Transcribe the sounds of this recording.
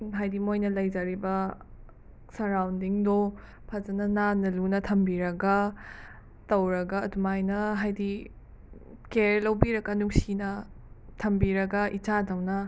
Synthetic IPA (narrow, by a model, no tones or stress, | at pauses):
ɦajdimojnɐlɐjd͡ʒaɾibɐ | sɐɾawndiŋdo | pʰazɐnɐnanɐlunɐtʰɐmbiɾɐɡɐ | tɐwɾɐɡɐːdumajnɐɦajdi | keɾlɐwbiɾɐkɐnuŋsinɐ | tʰɐmbiɾɐɡɐʔit͡ʃadɐwnɐ